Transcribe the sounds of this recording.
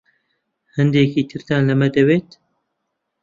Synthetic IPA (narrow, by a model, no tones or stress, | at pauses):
hɨnd̪eːkiːt̪ʰɨɾt̪ʰaːnlɐmɐd̪ɐweːt̪